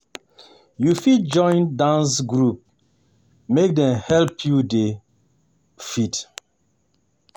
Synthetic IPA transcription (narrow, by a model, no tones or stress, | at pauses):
jufit̚d͡ʒɔ̃ɪ̃ndãns̬ɡɹup̚ | mek̚dɛ̃mhɛlpʰjude | fit